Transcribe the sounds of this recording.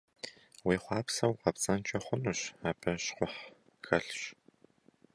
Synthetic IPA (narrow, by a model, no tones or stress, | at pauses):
wiːχʷɑːpsɐwqɐpt͡sʼɐnt͡ʃʼɐχʷʊnuːɕaːpʰɐɕqʷʊħ | xɐɬɕ